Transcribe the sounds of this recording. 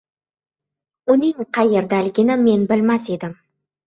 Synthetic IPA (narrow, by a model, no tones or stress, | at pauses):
ʊnɪŋqʰɑjeɾd̪ælɡʲɪnɪmːe̞nbɪlmase̞d̪ɪm